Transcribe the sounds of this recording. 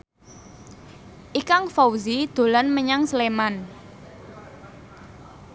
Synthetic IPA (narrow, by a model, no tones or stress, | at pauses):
ʔikaŋfawzid̪̥o̤lɔnməɲaŋsleman